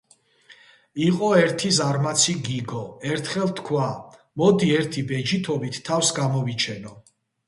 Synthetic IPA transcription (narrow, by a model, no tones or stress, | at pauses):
iqʼɔɛɾt̪ʰizaɾmat̪sʰiɡiɡɔɛɾt̪ʰχɛlˠt̪ʰkʰwa | mɔd̪iɛɾt̪ʰibɛd͡ʒit̪ʰɔbit̪ʰːafsɡamɔvit͡ʃʰɛnɔ